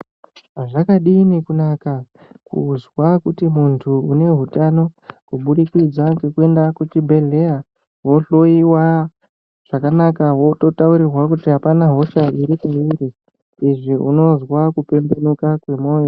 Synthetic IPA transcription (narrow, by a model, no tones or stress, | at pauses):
ʐakaɗiːnikunaka | kṵzwakutimuntʰuune̞ɦutano̞kuɓuɗikid͡zaɡekue̞ndakut͡ʃibʱe̞ɮea | wo̞ɬo̞iwa | ʐ̥akanakawoto̞tauɾirwakutiɦapanaɦo̞ʃaiɾikaiɾi | iʐiuno̞zwakupe̞mbe̞nukakwe̞mo̞ːjo